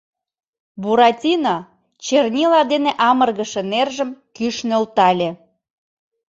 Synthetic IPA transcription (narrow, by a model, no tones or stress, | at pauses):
buɾɑtʲinɑ | t͡ɕernʲilɑd̪eneʔɑmərɣəʃenerʒəmkyʃnølt̪ɑlʲĕ